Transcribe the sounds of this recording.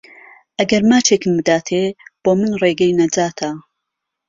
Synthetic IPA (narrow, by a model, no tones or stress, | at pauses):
ʔɐɡɐɾmaːt͡ʃʰekɨmbɨd̪aːt̪ʰeb̥oːmɨnreːɡɐjnɐd͡zaːt̪ʰɐ